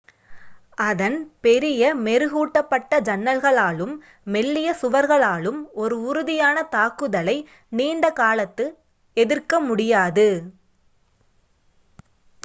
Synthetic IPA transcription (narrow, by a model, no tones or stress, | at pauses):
ɐðɐnpɛɾɪjɐmɛɾɯɣuːʈːɐpːɐʈːɐd͡ʒɐnːɐlɣɐɭaːɭɯmː | ɛɭːɪjɐsʊʋɐɾɣɐɭaːɭɯmɔɾɯʊɾʊðɪjaːnɐt̪aːkɯðɐlɐɪ | niːɳɖɐkaːlɐt̪ːɯ | ɛðɪrkɐmʊɽɪjaːðɯ